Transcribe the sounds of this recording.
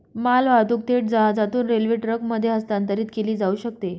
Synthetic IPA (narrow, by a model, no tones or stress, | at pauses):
malʋad̪uk̚t̪eʈ̚d͡zəɦad͡zat̪uːnɾelʋiʈɾəkməd̪ʱːjeɦəst̪ant̪əɾiːt̪keliːd͡zauːɕək̚t̪e